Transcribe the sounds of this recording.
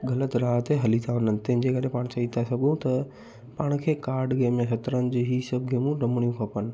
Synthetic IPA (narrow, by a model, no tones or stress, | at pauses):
ɡʱɐlət̪ɾaːɦt̪ʰeɦɐlit̪ʰaɦʊnənɪ̆t̪ɐ̃ɦɪ̃ɲd͡ʑekɐɾepaːɽ̃t͡ɕɐɦit̪ʰasɐɡʱũt̪ɐ | pãːɽ̃̆kʰeːkaːɾɖɡeːmːẽsɐt̪ɾənɪ̆d͡ʑeːɦiːsɐbʱɡeːmũɖɐmɽ̃ijũkʰɐpənɪ̆